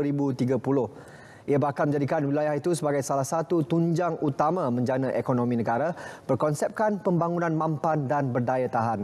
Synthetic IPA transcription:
ɾibut̪iɡapulʊh | iabahkalmə̃ɲd͡ʒadikanwilajahit̪usəbaɡajsalahsat̪ut̪uɲd͡ʒaŋut̪amãmə̃ɲd͡ʒanãʔekonõmĩnə̃ɡaɾab̥ərkɔnsɛp̚kanpəmbaŋunãnmãmpandanbərdajat̪aɦan

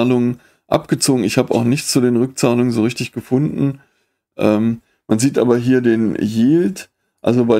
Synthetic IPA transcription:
aːlʊŋən | ʔa̰pɡ̥ət͡soːɡŋ̩ɪçhaːbəʔa̰ʊxnɪçt͡sudeːnʁʏk̚t͡saːlʊŋənzoːʁɪçtɪçɡ̥əfʊndn̩ | ʔɛːm | manziːtʔa̰ːbɐɦiːɐdeːnjeːlt | ʔa̰lzobaɪ

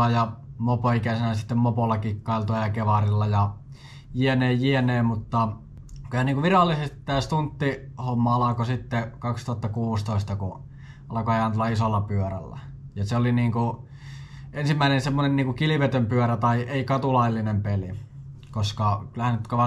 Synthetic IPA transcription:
ɑjɑmopoikæsenæsit̪ːemmopolːɑkikːɑˑilt̪oɑjɑkeʋɑrilːɑjɑ | jieneːjjieneːmut̪ːɑ | kylhæniːŋkuʋirɑlːisest̪i̥t̪t̪ːæːst̪unt̪ːihomːɑɑlɑkosit̪ːekɑkst̪uɑt̪ːɑkuːst̪oˑist̪ɑku | ɑlɑkoɑiɑnt̪ulːɑisolːɑpyøræ̰lːæ̰ | jɑseoliniːŋku | ʔensimːæinensemːonenniːŋkukiliʋet̪ømpyøɾæt̪ɑiʔeikɑt̪ulɑilːinempeli | koskɑkylæhænnyt̪koʋɑ

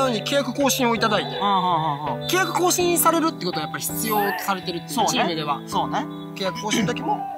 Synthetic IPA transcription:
joːɲikʲe̞ːjakɯ̟̥ko̞ːɕĩɰ̃o̞it̪ad̪ait̪eɯ̃ːɦɯ̃hɯ̃ɦkʲe̞ːjakɯ̟̥ko̞ːɕĩsaɾe̞ɾɯ̟t̪ːeːkot̪oajapːaɾiçi̥t͡sɨjo̞ːt̪o̥saɾe̞t̪e̞ɾɯ̟t̪ːeoːimid̪e̞βasoːne | kʲeːjakɯ̟̥koːɕĩnt̪okʲemo̞

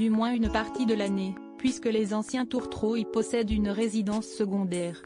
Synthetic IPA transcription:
d̪ymwɛ̃ynpaʁt̪id̪əlane | pɥiskəlezɑ̃sjɛ̃t̪uʁt̪χoilpɔsɛd̪ynʁezid̪ɑ̃sːəɡɔ̃d̪ɛːʁ

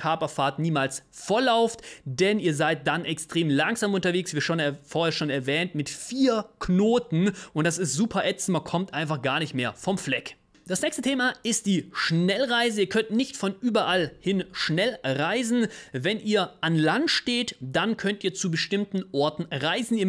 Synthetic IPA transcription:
kʰœɐpɐfaːɐtniːmaːlsfoɐlaʊftd̥ɛniːɐzaɪt̚d̥anɛkstʁ̥eːmlaŋz̥aːmʔʊntɐveːksv̥iːʃoːnɛfoːɐhɛːɐʃoːnɛɐvɛːntmɪtfiːɐkʰnoːtn̩ʔʊntd̥asɪstz̥uːpʰɐʔɛt͡sn̩mankʰɔmtʔaɪnfaχɡ̥aːɐnɪçtmeːɐfɔmflɛk | d̥asnɛːkçstətʰeːmaɪst̚d̥iːʃnɛlʁaɪzəiːɐkʰœntnɪçtfɔnʔyːbɐʔalhɪnʃnɛlʁaɪzn̩vɛnʔiːɐʔanlantʃteːtd̥ankʰœntʔiːɐt͡subəʃtɪmtn̩ʔɔɐtn̩ʁaɪzn̩iːɐ

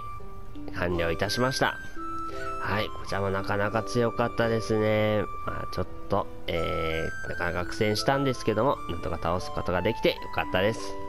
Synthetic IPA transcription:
kãɲʲɾʲo̞ːit̪aɕimaɕi̥t̪a̰ | haiko̞t͡ɕiɾamo̞nakanakat͡sɨjo̞kat̪ːad̪e̞sɨne̞ma̰t͡ɕo̞t̪ːo̞ | eːnakanakakɯ̟̥sẽ̞ɰ̃ɕi̥t̪ãnd̪e̞sɨ̥ke̞d̪o̞mo̞nãnt̪o̞kat̪aosɨ̥ko̞t̪o̞ɡad̪e̞kʲi̥t̪e̞jo̞̰kat̪ːad̪e̞sɨ̥

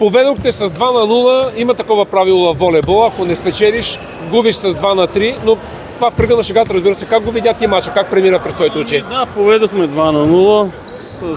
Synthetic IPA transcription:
povɛd̪oxt̪ɛsɐzd̪vanɐnulˠəimɐt̪ɐkɔvɐpɾavilˠovɐvɔlɛbɔlˠɐkonɛspɛt͡ʃɛliʃ | ɡubiʃsɐzd̪vanɐt̪ɾino | t̪ovafkɾiɡənɐʃɛɡat̪ɾɐzbiɾəsɛkaɡ̚ɡovid̪ʲat̪imat͡ʃəkak̚pɾɛmiɾəpɾɛsvɔit̪oʊt͡ʃɛnʲd̪apovɛd̪oxmɛd̪vanɐnulˠə | sɐ

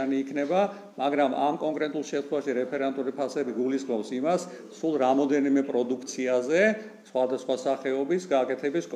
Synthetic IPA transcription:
niːkʰnɛba | maɡɾama̰mkʼɔŋkʼɾɛt̪ʼulˠʃɛmt̪ʰχɛwaʃiɾɛpʰɛɾɛnt̪ʼuɾipʰasɛbiɡulisχmɔpsimas | sulˠɾamɔd̪ɛnimɛpʼɾɔd̪ukʰt̪sʰiazɛ | sχwad̪asχwasaχɛɔbisɡaːkʼɛt̪ʰɛbiskʼ

